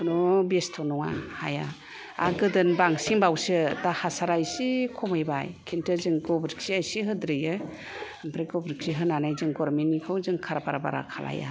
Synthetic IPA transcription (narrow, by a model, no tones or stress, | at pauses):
kʰɯnɔbestʰɔnɔŋa̰ha̰ja | a̰ɡɯdɯnbaŋsiŋbawsɯdahasaɾajsikʰɔmajbajkʰintʰɯzɯŋɡɔbɾik̚siajsiɦɯdɾɯjɯ | ampʰɾeɡɔbɾiksiɦɯnanajzɯŋɡɔɾmenːikʰɯwzɯŋkʰaɾabaɾaba̰ɾa̰kʰala̰ja̰